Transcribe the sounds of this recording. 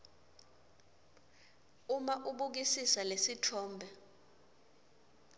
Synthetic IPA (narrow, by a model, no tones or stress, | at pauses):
umaʔuɓuk̬isisalesitʰɔːmbʱɛ